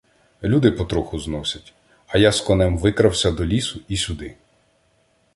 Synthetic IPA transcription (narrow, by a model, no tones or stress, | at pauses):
lʲud̪ɪpɔt̪ɾɔxʊznɔsʲɐtʲ | ɐjaskɔnɛmʋɪkɾɐwsʲɐd̪ɔlʲisʊisʲʊd̪ɪ